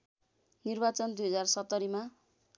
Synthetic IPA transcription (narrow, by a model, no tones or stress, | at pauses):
nirbat͡sʌnd̪ujɦʌd͡zarsʌt̪ːʌɾima